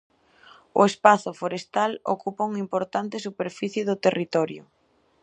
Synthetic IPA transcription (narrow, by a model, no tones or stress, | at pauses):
ʊ̰espaθʊfoɾest̪alo̰kupauŋimpoɾt̪ant̪ɪsupeɾfiθjɪðʊt̪erit̪ɔɾjʊ̰